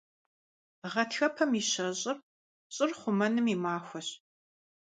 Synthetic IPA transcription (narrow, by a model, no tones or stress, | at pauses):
ʁɐtxɐpʰɐmiɕɐɕʼɐp̚ | ɕʼɪrχʷʊmɐnɨmimaːxʷɐɕ